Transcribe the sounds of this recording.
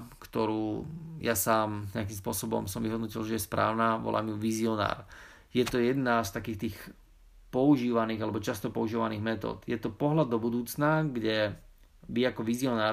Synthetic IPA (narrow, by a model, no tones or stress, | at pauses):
kt̪ɔɾuːjasaːmɲɛak̬iːmspʊɔsɔbɔ̰msɔmʋiɦɔd̪nɔcilʒɛjɛspɾa̰ːʊnaʋɔ̰lʔa̰ːmjuʋiziɔna̰ːɾ | jɛt̪ɔjɛd̪nast̪akiːxt̪iːx | pɔuʒiːʋaniːɣalɛbɔt͡ʃast̪ɔpɔuʒiːʋaniːɣmɛt̪ɔ̰ːt̪jɛt̪ɔpɔɦlad̪ːɔbud̪uːt͡snaɡɟɛ | ʋiakɔʋiziɔnaː